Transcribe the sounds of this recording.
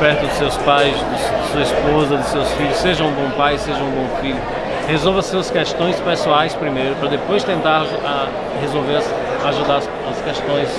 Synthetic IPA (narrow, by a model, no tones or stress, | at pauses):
pɛɾt̪ʊd̪ʊsewspajsd̪ʊsd̪ʊsuɐispozɐd̪ʊsewsfiʎʊsːeʒɐũbõpajseʒɐũbõfiʎʊ | hezowvɐsuɐskɛʃt̪õj̃spesuajspɾimejɾʊpɾɐd̪epojst̪ẽnt̪aɾ | a | hezowveɾɐs | aʒud̪aɐs | ɐskɛʃt̪õj̃s